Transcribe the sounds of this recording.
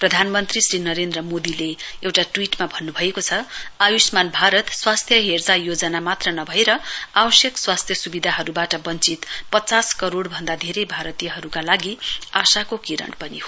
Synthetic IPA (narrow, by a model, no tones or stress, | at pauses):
prʌd̪ʱanmʌnt̪risɾinʌɾend̪rʌmod̪ileewʈaʈwiʈmabʱʌnːubʱʌekot͡sʰʌajusmanbʱaɾʌt̪swast̪ʰjʌɦerd͡zajod͡zʌnamat̪rʌnʌbʱʌeɾʌabʌsjʌkswast̪ʰjʌsubid̪ʱaɦʌɾubaʈʌbʌnt͡sit̪pʌt͡saskʌɾoɽbʱʌnd̪ad̪ʱeɾʌjbʱaɾʌt̪ijʌɦʌɾukalaɡiasakokiɾʌ̰ɳpʌniho